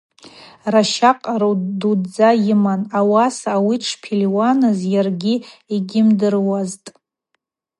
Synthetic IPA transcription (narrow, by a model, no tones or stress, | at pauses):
raʃaqʼarodud͡zajɪmanawasawiʈ͡ʂʰpʰilʲwanɨzjarɡʲiiɡʲɪmdɨrwaztʼ